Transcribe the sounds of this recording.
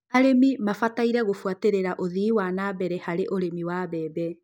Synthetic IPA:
aɾemimafataiɾɛɣofuateɾeɾaʔoðiːwanabɛɾɛhaɾeʔoɾemiwabɛːbɛ

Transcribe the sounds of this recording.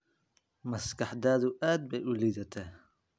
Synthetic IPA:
mɐskɐħd̪aːðʊʔaːd̪̚bɛjʊliːðɐt̪ʰɛ

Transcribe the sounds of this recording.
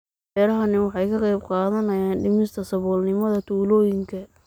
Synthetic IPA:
bɛːɾɐɦɐnɪwɑħɑjkʰɐqɛjbqɑːðɐnɐjaːnɖɪmɪst̪ʰɐsɐβɔːlnɪmɐðɐt̪ʰuːlɔːjɪŋkʰɐ

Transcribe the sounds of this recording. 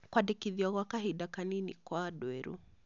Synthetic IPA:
kwadɛkiðiɔɣwakaɦidakaninḭkɔadwɛɾṵ

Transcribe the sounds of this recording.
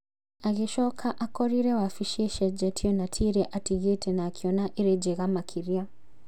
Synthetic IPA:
aɣiʃɔkʰaʔakɔɾiɾɛwafiʃɛʃɛd͡ʒɛtʰiɔnatʰiɾɛʔatiɣɛtʰɛnaːkʰiɔnaʔiɾɛd͡ʒɛɣamakʰiɾia

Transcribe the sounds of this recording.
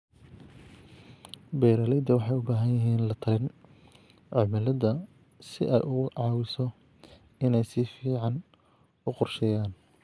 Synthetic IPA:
bɛjɾɐlɛjd̪ɐwɑħɑjʊbaːɦɐjɐɦiːnlɐt̪ʰɐlɪn | ʕɔmɪlɐdɐ | sɪʔɛ̰jʔʊʕɑːwɪsɔ | ɪnɛjsɪfiːʕɑn | ʊqʊrʃɛjaːn

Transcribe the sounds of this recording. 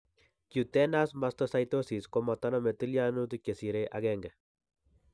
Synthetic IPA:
kjut̪enasmast̪osajt̪osiskomat̪anomet̪iljanut̪ukesiɾeʔaɡeŋɡe

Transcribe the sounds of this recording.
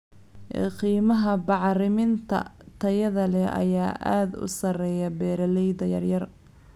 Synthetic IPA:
qiːmɐɦɐbɑʕrɪmɪnt̪ʰɐ̰t̪ʰɐjɐðɐlɛʔɐ̰jaːʔa̰ːd̪ʊ̰sɐrɛːjɐbɛːɾɐlɛjd̪ɐjɐrjɐr

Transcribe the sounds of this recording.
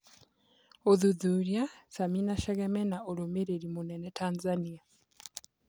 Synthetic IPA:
oðuðuɾjasaminaʃɛɣɛmɛnaʔoɾomeɾeɾimonɛnɛtʰanzania

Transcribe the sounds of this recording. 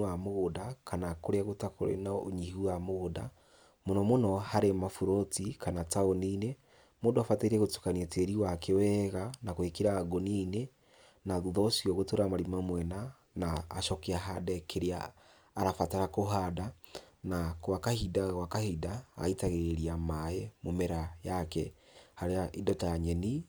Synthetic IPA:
amoɣodakʰanakoɾeaɣotako̰ɾḛnaoɲihuamoɣoda̰ | monɔmonɔhaɾemafuɾotikanataonine | moːndoafateiɾeɣotu̥kaniateɾiwakewɛɣanakoekeɾaːɡoniːne | naðuðɔsiɔɣotoɾamaɾimamwɛna | naːʃɔkeaɦadɛkʰeɾia̰ː | ɾafataɾakoɦadanakwakahidaɣwakahida̰ːitaɣeeɾiamaemomeɾajakɛ | haɾeaʔidɔtaɲɛni

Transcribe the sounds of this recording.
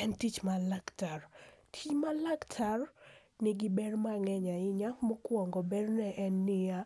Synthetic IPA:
ɛntit͡ʃmalaktartʰimalaktʰar | nɪɡɪbɛrmaŋɛɲaɪɲakmokwɔŋɡɔbɛrnɛʔɛnːɪa

